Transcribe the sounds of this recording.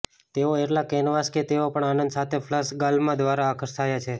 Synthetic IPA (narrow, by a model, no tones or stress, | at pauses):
t̪eoeʈlakenʋasket̪eopəɳanənd̪sat̪ʰefʰləsɡalmãd̪ʋaɾaːkʰəɾt̪ʰajat͡ʃʰe